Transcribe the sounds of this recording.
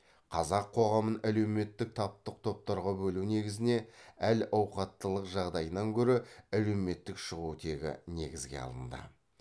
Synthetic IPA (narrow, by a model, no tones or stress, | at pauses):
qʰɑzɑqʰːo̞ʁɑmənæle̞wme̞t̪ːɪk̚t̪ʰɑp̚t̪əq̚t̪ʰo̞p̚t̪ɑɾʁɑbɵlune̞ɡʲɪzɪne̞ælɑwqɑt̪ːəlˠəqʒɑʁd̪ɑjənɑŋkʲʰɵɾɪæle̞wme̞t̪ːɪkʃəʁut̪ʰe̞ɡʲɪ̰ne̞̰ɡʲɪzɡʲe̞̰ɑ̰lˠə̰nd̪ə̰